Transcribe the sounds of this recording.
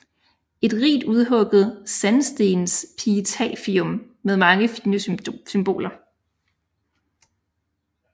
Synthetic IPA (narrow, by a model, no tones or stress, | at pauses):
e̝d̥ʁḭːd̥uð̞ˠɦɔ̽ɡ̥ð̞̩ˠsænsd̥e̝nspʰit͡sʰɛ̰ːfiɔmː | eð̞ˠmɑ̈ŋəfinəsymb̥o̝̰ːlɐ